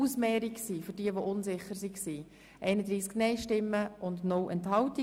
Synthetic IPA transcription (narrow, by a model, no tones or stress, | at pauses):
usmɛːɾiksiːfʏɾdiəʋoʔʊnzɪχːəɾsiksiː | ʔɛɪnəd̪ɾiːsknɛɪʃtɪmːəʊndnʊlʔɛnthɑʊti